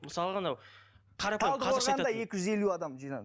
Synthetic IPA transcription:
məsɑlˠəʁɑnɑ | qʰɑɾɑp̪ʰɑlˠd̪əɑoɾʁɑnd̪ɑje̞kʲɪʒʏze̞luɑd̪ɑmʒijnɑ̰

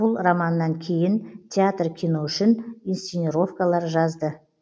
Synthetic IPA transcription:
b̥ʊlˠramɑnːɑŋkʲʰe̞jɪnt̪ʲʰeat̪rkʲʰino̞ʏʃɪninst̪enʲiɾo̞fkɑlˠɑɾʒɑzd̪ə

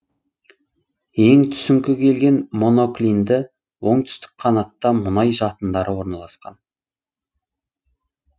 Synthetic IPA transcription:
je̞ŋt̪ʰʏ̥sɪŋkʲɪkʲʰe̞lɡʲe̞nmo̞no̞klʲind̪ɪ | wo̞ɴt̪ʰʏ̥st̪ɪ̥kqʰɑnɑt̪ːɑmʊnɑjʒɑt̪ənd̪ɑɾəwo̞ɾnɑlˠɑsqɑ̰n

